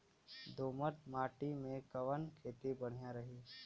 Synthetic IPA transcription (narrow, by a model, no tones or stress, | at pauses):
d̪oːmət̪maːʈimẽkɐʋənkʰeːt̪ibɐɽ̤ijaɾɐɦiː